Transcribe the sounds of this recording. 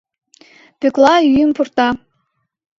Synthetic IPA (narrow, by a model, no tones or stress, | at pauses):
pøklˠɑyjəmpurt̪ɑ